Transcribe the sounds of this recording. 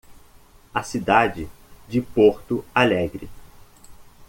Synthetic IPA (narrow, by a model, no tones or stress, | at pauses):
ɐsid̪ad͡ʒɪ | d͡ʒɪpoɾt̪ʊalɛɡɾɪ